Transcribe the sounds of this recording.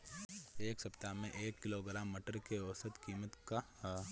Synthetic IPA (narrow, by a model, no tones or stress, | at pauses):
eːksɐpt̪amẽʔeːkːɪloɡɾaːmːiʈəɾkeosət̪kiːmət̪ka